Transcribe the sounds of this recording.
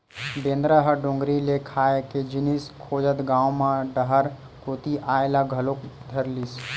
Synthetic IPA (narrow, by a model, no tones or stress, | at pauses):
bẽːnd̪ɾəɦəɖõːŋɡɾilekʰaːeked͡ʒɪniskʰoːd͡ʒət̪ɡãːwmãɖəɦəɾ | koːt̪iʔaːelaɡʱəlokd̪ʱəɾliːs